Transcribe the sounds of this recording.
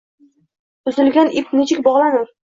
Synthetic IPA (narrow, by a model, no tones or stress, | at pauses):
ʊzɪlɡʲanʔipnet͡ʃʰɪkʲbɒʁlˠanɪɾ